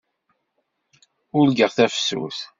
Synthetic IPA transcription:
ʊlɡəʁθæfsṵθ

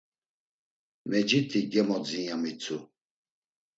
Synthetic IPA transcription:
mɛd͡ʒit̪ʰiɡɛmɔd͡zijamit͡sʰu

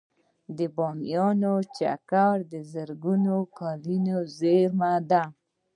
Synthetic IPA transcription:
d̪əbɑmjɑnot͡ʃa̰kaɾd̪əzəɾɡunokɑlinozeɾmad̪a

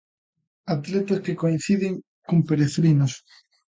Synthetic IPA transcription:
at̪let̪askekoin̟θiðeŋ | kompeɾeθɾinos

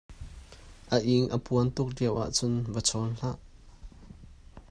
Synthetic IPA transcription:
ʔəʔiŋʔəpuənt̪ʊk̚diəwʔa̰ʔt͡sʊnvət͡sʰɔnɬaʔ

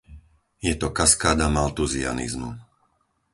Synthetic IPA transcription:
jɛt̪ɔkaskaːd̪amalt̪uzia̰nḭzmṵ

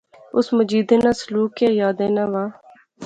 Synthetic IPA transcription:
ʊsməd͡ʒiːd̪eːnãːsəluːkjaːjaːd̪eːnãːʋaː

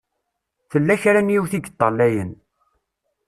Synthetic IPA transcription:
θəlːæçɾænjiwθiɡət̪ˤːɑlːæjən

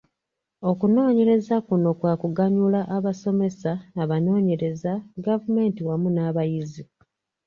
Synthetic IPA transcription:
o̞kuno̞ːɲe̞ɾe̞zakuno̞kwaːkuɡaɲulaʔaβaso̞me̞sanaβano̞ːɲe̞ɾe̞zaɡavume̞ːntiwamunaːβajizi

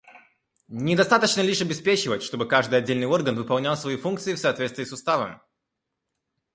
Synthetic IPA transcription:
nʲɪd̪ɐst̪at̪ət͡ɕnəlʲiʂɐbʲɪspʲet͡ɕɪvətʲʂt̪o̞bɨkaʐd̪ɨjɐdʲelʲnɨjo̞rɡənvɨpɐlˠnʲalˠsvɐifunk̚t̪sɨɪfsɐːt̪vʲet̪t̪vʲiːsʊst̪avə̰m

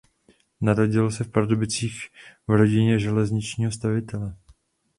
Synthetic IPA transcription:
naɾoɟɪlsɛfpadobɪt͡siːxvɾo̞ɟɪɲɛʒɛlɛzɲɪt͡ʃɲiːɦo̞st̪avɪt̪ɛlɛ

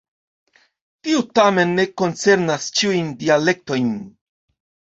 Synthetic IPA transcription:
tiutame̞nːe̞ko̞nt͡se̞ɾnast͡ʃiujndiale̞k̚to̞jn

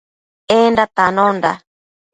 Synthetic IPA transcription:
endat̪anɔnda̰

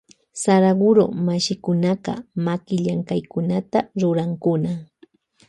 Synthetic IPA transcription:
saɾaɢʊɾo̰maʃɪkʊnaɢɑ̰makɪʎaŋkajkʊnat̪aɾʊɾaŋkʊna

